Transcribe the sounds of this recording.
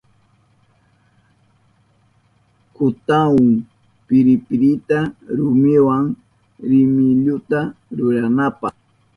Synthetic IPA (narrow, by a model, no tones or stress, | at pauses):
kʊt̪aʊŋ | pɪɾɪpɪɾɪt̪aɾʊmɪwaŋ | ɾɪmɪʎʊt̪aɾʊɾanapɑ̰χ